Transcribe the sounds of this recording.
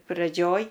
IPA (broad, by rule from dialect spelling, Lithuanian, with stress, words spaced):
prɐˈd͡ʒʲoːj